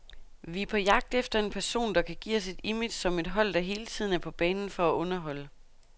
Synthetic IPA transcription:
ʋiæɐpʰɒ̽jɑ̈ɡ̥̚d̥efd̥ɐe̝npʰæɐso̝̰ːnd̥ɑ̈kʰæɡ̥ḭːɒse̝d̥imid̥sɒ̽me̝d̥ɦɒ̽l̰d̥ɑ̈ɦe̝ːlət͡sʰið̰ˠn̩æɐpʰɒ̽b̥ɛːnn̩fɒ̽æʔɔ̽nɐɦɒ̽lə

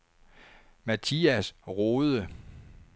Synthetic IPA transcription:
mæt͡sʰiæsʁoːðˠə

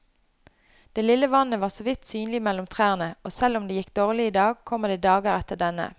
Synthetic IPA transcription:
d̪̥eːlɪləʋɑnəʋɑːʁsɔʋɪt̪syːnlɪmɛlʊmt̪ʰʁæːʁnəʔoːsɛlʊmd̪eːjɪkd̪oːʁlɪiːd̪ɑːɡ̚kʰɔmːəd̪eːd̪ɑːɡəʁɛt̪əɖ̪ɛnə̰

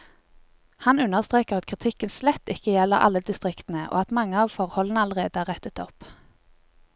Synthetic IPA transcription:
hɑnʉnəʁst̪ʁeːkəʁɑt̪kʰʁɪt̪ʰɪkənslɛt̪ːɪkəjɛləʁʔɑ̰lːəd̪ɪst̪ʁɪkt̪n̩əʔo̰ːɑt̪mɑŋːəɑːʋfɔʁhɔlən̩əɑləʁeːd̪əæːʁɛt̪ət̪ɔp

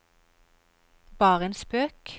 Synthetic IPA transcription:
bɑːʁeːnspøːk

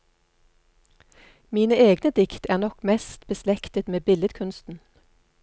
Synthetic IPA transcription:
miːnəeːɡnəd̪ɪkt̪æːʁnɔkmɛst̪b̥əslɛkt̪ət̪meːbɪləd̪kʰʉnst̪n̩

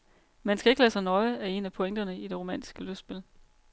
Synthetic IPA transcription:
mænsɡ̥æe̝ɡ̥əlæ̰ːsɑ̈ɪnɒ̽ɪæe̝næpʰo̽eŋ̰d̥ɐnəid̥e̝ʁo̝mæn̰d̥i̥sɡ̥əlødsb̥e̝l

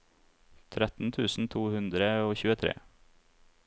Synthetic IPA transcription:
t̪ʰɾɛt̪n̩t̪ʰʉːsn̩t̪ʰuːhʉnd̪ɾəoːçʉːət̪ʰɾḛː

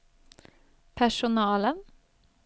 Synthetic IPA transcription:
pʰæʃʊnɑːlən

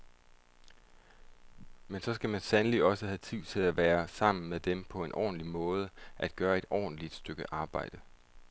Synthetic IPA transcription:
mensɒ̽sɡ̥æmænsænəliɒ̽səhæt͡sʰiʊ̰t͡sʰe̝læʋæːɐsɑ̈m̰n̩meðd̥empʰɒ̽e̝nʔɒ̰ːn̩limɔ̽ːð̞ˠəʔæd̥̚ɡ̥ɶːɐe̝d̥ɒ̰ːn̩lid̥sd̥øɡ̥əʔɑ̈ːb̥ɑ̈ɪ̰d̥ə

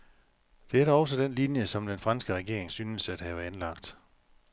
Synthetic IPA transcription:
d̥e̝æɐɾæɒ̽sɒd̥enlinjəsɒ̽md̥enfʁɑ̈nsɡ̥əʁɛɡ̥e̝ɐeŋsyːnəsæd̥ɦæʊænlɑ̈ɡ̥d̥

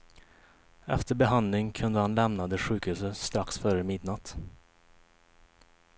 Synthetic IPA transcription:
ɛ̰ft̪əɾbɛɦand̪lɪŋkʰɵnd̪əhanlɛmnad̪ɛɧʉːkhʉ̟ːsəst̪ɾaksfœɾəmɪd̪nat̪

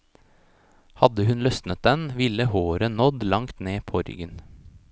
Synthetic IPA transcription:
hɑd̪əhʉnlœsnət̪̚d̪ɛnʋɪləhoːɾənɔd̪lɑŋt̪neːpʰoːɾʏ̰ɡən

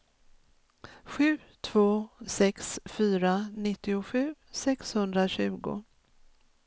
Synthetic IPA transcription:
ɧʉ̟ː | t̪ʰv̥oːsɛksfyːɾanɪt̪ːɪʊɧʉ̟ːsɛkshɵnd̪ɾaɕʉ̟ːɡʊ̰

